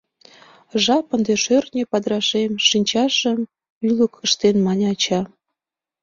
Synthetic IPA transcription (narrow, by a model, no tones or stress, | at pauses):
ʒɑpənd̪eʃørnʲepɑd̪ɾɑʃemʃinʲt͡ɕɑʃəm | ylə̆kə̆ʃt̪enmɑnʲɑt͡ɕɑ